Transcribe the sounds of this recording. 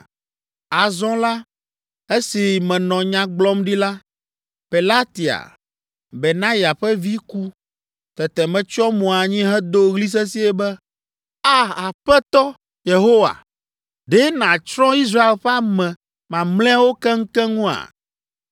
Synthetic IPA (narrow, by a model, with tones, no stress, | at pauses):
a˨zɔ̃˦la˦ | e˦si˨mɛ̃˨nɔ̃˨ɲã˦ɡ͡blɔ˦mɖi˦la˦ | pe˨la˦t̪i˨a̰˨ | bɛ˨nã˦ja˨ɸɛ˦vi˦ku˦ | t̪ɛ˨t̪ɛ˨mɛ̃˨t͡ʃɔ˦mɔ̃˨a˨ɲĩ˦ɦɛ˦d̪o˦ɣli˦s̬ɛ˦si˦ɛ˦bɛ˦ | a˦a˨ɸɛ˦t̪ɔ˦ | je˨ɦo˦wa̰˨ | ɖɛ˦nã˨t͡ʃɾɔ̃˦i˦s̬ɾa˦e˨lɸɛ˦a˦mɛ̃˨ | mã˨mlɛ̃˦wo˦kɛ˦ŋ̩˦kɛ˦ŋũ˦a̰˨